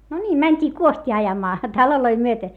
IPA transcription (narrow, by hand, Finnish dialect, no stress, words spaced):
no nʲiːm mænʲtʲiː kuostʲiː ɑjɑmɑː tɑloloi myøte